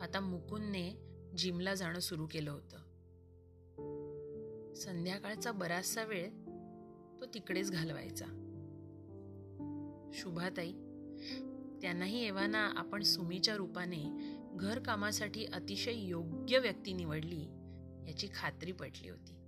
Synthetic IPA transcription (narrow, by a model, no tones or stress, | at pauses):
at̪amukʰunːed͡ʑimlad͡zʱaɽ̃əːsuɾuːkeləːɦot̪əː | sənd̪ʱjakaɭt͡sabəɾasaʋeɭ | t̪ot̪ikɽet͡sɡʱalʋa̰jt͡sa̰ | ɕubʱat̪ai | t̪janːaɦiːeʋanaʔa̰pəɳsumit͡ɕjaɾupane | ɡʱəɾkamasaʈiːʔət̪iɕəjjoɡjəʋjək̚t̪iːniʋəɽliː | jat͡ɕiːkʰat̪ɾiːpəʈlḭːɦo̰t̪iː